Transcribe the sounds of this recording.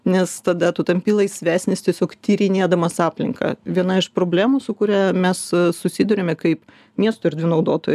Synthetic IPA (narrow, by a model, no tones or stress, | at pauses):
nʲɛst̪ɐd̪ɐt̪ut̪ɐmʲpʲiːlˠɐɪsʲʋʲæːsʲnʲɪst̪ʲiɛsʲoːkt̪ʲiːɾʲɪnʲeɛd̪ɐmɐsɑːpʲlʲɪ̰ŋkɐ̰ʋʲiɛnɐɪʃpɾoːbʲlʲæːmusʊkʊɾʲæːmʲɛssʊsʲid̪ʊɾʲemʲɛkɐɪp | mʲiɛst̪oːɪɾʲd̪ʲʋʲɪnɐʊd̪oːt̪oːj